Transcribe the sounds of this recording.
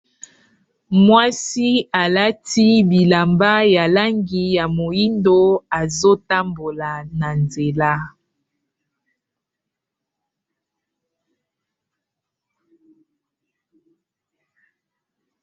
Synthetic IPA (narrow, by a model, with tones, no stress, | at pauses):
mwa˦si˦a˨la˦ti˦bi˨la˨mba˦ja˨la˦ŋɡi˨ja˨mo˨ji˦ndo˦a˨zo˦ta˦mbo˨la˨na˨nze˨la˦